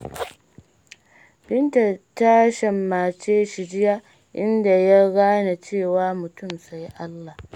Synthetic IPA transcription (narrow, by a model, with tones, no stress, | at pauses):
bɪ˦nta˨ta˦ʃɐ˨mːaː˨t͡ʃeː˦ʃi˨d͡ʒɪ˦ja˦ | ʔɪ˦nda˨ja˦ɽaː˦na˨t͡ʃeː˦˨waː˨˦mʊ˨tʊ˦˨msa˨˦jʔa˦lːa˨h